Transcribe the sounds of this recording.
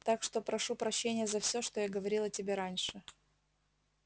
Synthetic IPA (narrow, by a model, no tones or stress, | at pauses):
t̪akʂt̪o̞pɾɐʂupɾɐɕːenʲɪjəzɐfsʲoʂt̪o̞jaɡəvɐɾʲilˠɐtʲɪbʲeɾanʲʂɨ